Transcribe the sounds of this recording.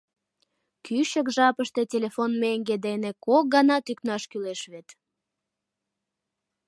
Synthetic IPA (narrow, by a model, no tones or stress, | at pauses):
kyʃəkʒɑpəʃt̪e̽tʲelefonmeŋɡed̪enekok̚ɡɑnɑt̪yknɑʃkyleʃβet̪